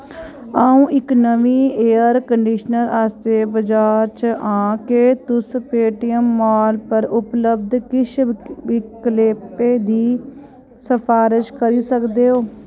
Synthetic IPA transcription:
aːũːʔɪknəʋiːeːəɾkəɳɖiːʃnəɾaːst̪eːbəd͡ʒaːɾt͡ʃãːkeːt̪ʊspeːʈɪjəmːaːlpəɾʊpləbd̪kɪʃɪkleːpeːd̪iː | səpʰaːɾɪʃkəɾiːsəkd̪eːɦoː

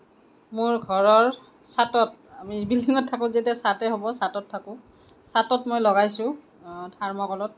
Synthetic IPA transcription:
mʊɹɡʱɔɹɔɹ | satɔtamibilːiŋɔtʰːakʊ̃ziɛtɛsatɛɦobɔsatɔtʰːakʊ̃ | satɔtmojlɔɡajsʊ̃ | dʱaɹmɔkɔlɔt̚

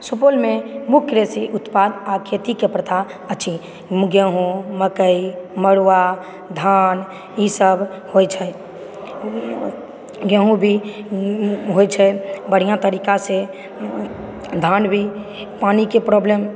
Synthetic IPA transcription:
supolmemukʰːɾesiʔut̪pad̪akʰet̪ikepɾət̪ʰa | ətːt͡ʃʰi | mɡəɦũməkəiməɽʋa | d̪ʱan | isəbʱ | hojt͡ʃʰɛ | ɡə̃ɦũbʱi | ɦojt͡ʃʰɛbəɽ̤ijãt̪əɾikase | d̪ʱanbʱi | panikepɾɔblem

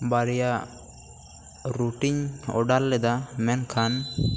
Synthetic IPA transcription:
baɾja | ɾuʈiɲɔ̰ɖalːɛd̪amɛnkʰan

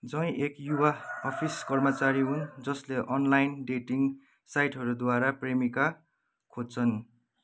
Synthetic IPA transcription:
d͡zʌ̃j̃ʔekjuwaːpʰiskʌrmʌt͡saɾiɦund͡zʌsleʔʌnlajnɖeʈiŋ | sajʈɦʌɾud̪waɾapremika | kʰod̚t͡sʰʌn

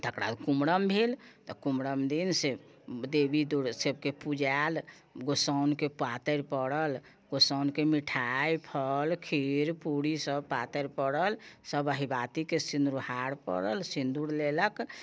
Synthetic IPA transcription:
t̪əkɾa̰d̪kumɽəmbʱelt̪ɔkumɾəmd̪insed̪ebid̪uɽsebkepud͡ʒal | ɡosəwnkepat̪əɾpəɽəl | ɡ̥osəwnkemiʈʰajpʰəlkʰiɾpuɽisəbpat̪əɾpəɽəlsəbəɦibat̪ikesind̪ɾuhaɽpə̰ɽəlsind̪uɽlelək

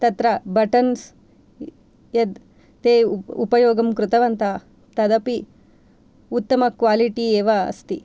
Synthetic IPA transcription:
t̪ɐt̪ɾɐbɐʈɐns | jɐd̪ | t̪eːupɐjoːɡɐmkɾut̪ɐʋɐnt̪ɐ | t̪ɐd̪ɐpi | ut̪ːɐmɐkʋaːliʈieːʋɐɐ̰st̪i

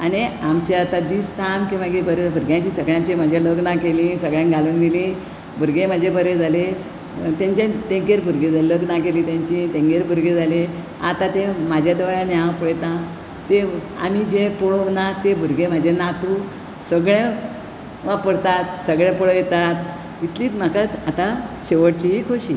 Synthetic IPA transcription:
aɽ̃iamt͡ɕeat̪ad̪iːsːamkĩʋaɡebəɾebʱuɾɡjãɲt͡ɕiːsəɡɭjãt͡ɕem̤əd͡ʑaləɡnakelisəɡɭjãŋɡaluːnd̪ilĩ | bʱuɾɡẽm̤əd͡ʑʱebəɾed͡zale | t̪jãɲt͡ɕat̪ẽŋɡeɾbʱuɾɡed͡zaləɡnakeliːt̪jaɲt͡ɕit̪ẽŋɡeɾbʱuɾɡed͡zʱale | a̰t̪at̪emad͡ʑʱjad̪əʋɭjãnjaʋpəɭjet̪na | t̪e | a̰mid͡ʑepɔɭonat̪ːebʱuɾɡem̤əd͡ʑenat̪u | səɡɭẽ | ʋapəɽt̪at̪səɡɭẽpəɽəjet̪at̪ | it̪liːt̪makat̪at̪aɕeʋəɽt͡ɕiikʰoɕi

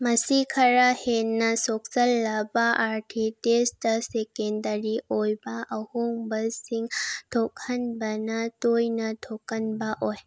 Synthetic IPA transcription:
mɐsikʰɐɾahenːɐsok̚sɐlːɐbaʔaɾtʰitesdɐsekendɐɾiʔojbɐʔɐhoŋbɐsiŋtʰok̚hɐnbɐnɐtojnɐtʰokːɐnbɐʔoj

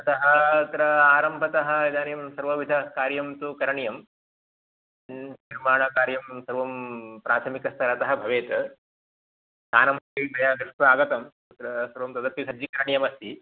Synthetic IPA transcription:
ɐt̪ɐɦɐt̪ɾɐaːɾɐmbʱɐt̪ɐɦɐ̆ed̪aːnjɐmsɐɾʋɐʋid̪ʱɐkaːɾjɐmt̪ukɐɾɐɳjɐm | niɾmaːɳɐkaːɾjɐmsɐɾʋɐmpɾaːt̪ʰɐmikɐst̪ʰɐɾɐt̪ɐɦɐ̆bʱɐʋeːt̪ɐ | saːnɐmɐkɐbɐjaːɡɾɪʂʋaːɡɐt̪ɐm | ut̪ɾɐsɐɾʋɐmt̪ɐd̪ɐɾp̪ːisɐd͡ʒikɐɾɐɳjɐmɐst̪i

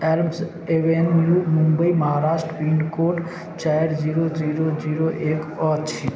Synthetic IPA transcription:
elms | eʋenːjuːmũmbəiməɦaːɾaːʃʈɾəpĩɳɖkoːʈ | t͡ʃaːeɾziɾoziːɾod͡ʒiːɾoʔekɔːt̪t͡ʃʰi

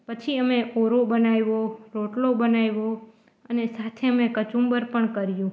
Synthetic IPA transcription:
pət͡ʃʰiəmeʔoɾobənajʋoɾoʈlobənajʋo | ənesat̪ʰeəmekət͡ʃumbəɾpəɳkəɾjũ

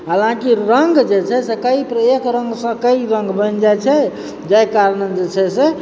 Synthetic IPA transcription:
ɦalãkiɾəŋɡd͡ʒet͡ʃʰɛsekəipɾəekɾəŋɡsə̃kəiɾə̃ŋɡbənd͡ʒajt͡ʃʰɛ | d͡ʒajkaɾnəd͡ʒet͡ʃʰɛse

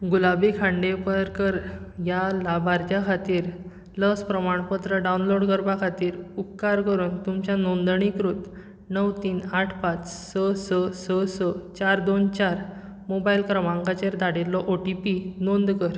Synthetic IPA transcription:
ɡulabikʰãɳɖepəɾkəɾjalabʱaɾt̪jakʰat̪iːɾ | ləspɾəmaɳpət̪ɾəɖaunloɽɡəɾbakʰat̪iːɾukkːaɾkəɾuːnt̪umt͡ɕjanond̪ɳ̃ikɾut̪ | nəʋt̪iːnaʈʰpat͡ssəsəsəsət͡ɕaɾd̪ont͡ɕaɾ | mobailkɾəmãŋkat͡ɕeɾd̪aɽelːɔʔoʈipinond̪kəɾ

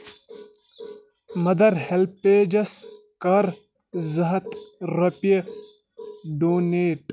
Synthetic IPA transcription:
mɐd̪ɐɾhelpeːd͡ʒɐs | kɐɾ | zɐɦɐt̪ɾɐpjə | ɖoːneːʈ

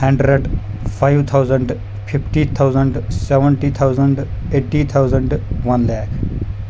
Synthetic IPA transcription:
hɐ̃ɳɖɾeɖ | pʰajʋt̪ʰawzə̃ɳɖ | pʰipʰʈit̪ʰawzə̃ɳɖseʋə̃ɳʈit̪ʰawzəɳɖeːʈːit̪ʰawzə̃ɳɖʋɐnlɛːkʰ

